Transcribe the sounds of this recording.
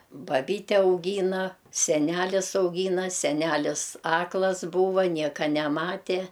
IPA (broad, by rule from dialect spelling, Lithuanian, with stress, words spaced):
bɐˈbʲiːtʲɛ ɐʊˈɡʲiːnɐ sʲɛˈnʲælʲɪs ɐʊˈɡʲiːnɐ sʲɛˈnʲælʲɪs ˈɑːklˠɐs ˈbuːʋɐ ˈnʲiɛkɐ nʲɛˈmɑːtʲeː